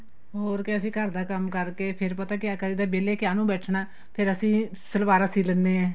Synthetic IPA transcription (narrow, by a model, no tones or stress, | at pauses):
ɦoːɾkɪəsĩːkəɾd̪aːkəmkəɾkeːpʰɪɾpət̪aːkɪjaːkəɾiːd̪aːbeːleːkɪaːnũːbɛːʈʰnaː | pʰɪɾəsĩː | səlbaːɾəsĩːlənːeːɛ̃ː